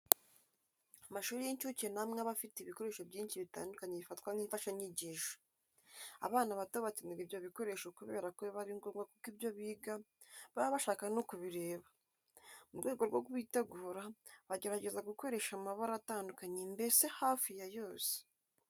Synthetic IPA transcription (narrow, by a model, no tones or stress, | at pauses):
amaʃuːɾijeɲt͡ʃucenamŋeaβafiteβiko̞ɾe̞ːʃobjiːnʃiβita̰ːndukaɲeβifatkwaŋ̥iːɱfaʃaɲiɟiʃo̥ | a̰βaːnaβatoβatineɡiβjoβiko̞ɾe̞ʃokuβe̞̰ːɾakoβaɾiŋɡoŋɡwakukiβjo̞βiːɡa | βaβaβaʃaːkanokuβiɾe̞ːβa | muɾɡwe̞ːɡo̞ɾɡoɡwiːtaɡuːɾaβaɟe̞ɾaɟe̞zaɡuko̞ɾe̞ʃamaβaɾataːndukaɲembe̞se̞haːfijajo̞ːse̥